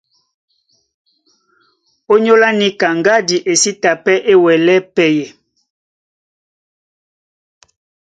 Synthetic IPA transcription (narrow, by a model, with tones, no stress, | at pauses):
o˦ɲo˦la˦ni˦ka˨ŋɡa˦di˨ʔe˨si˦ta˨pɛ˦ʔe˦wɛ˨lɛ˦pɛ˨je˨